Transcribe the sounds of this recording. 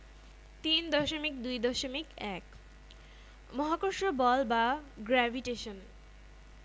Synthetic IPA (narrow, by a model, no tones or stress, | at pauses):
t̪ind̪ɔʃomik̚d̪ujd̪ɔʃomikɛk | mɔɦakoʃobɔlbaɡɾɛvʱiʈeʃon